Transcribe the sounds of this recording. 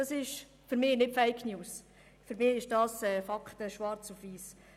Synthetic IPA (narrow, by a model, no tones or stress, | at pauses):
d̥ɑsɪʃ | fʏɾmɪːnɪtfɛɪkʰnjuːs | fʏɾmɪːɪʃd̥ɑːsɛːfɑkχtəʃʋɑɾt͡sufʋiːs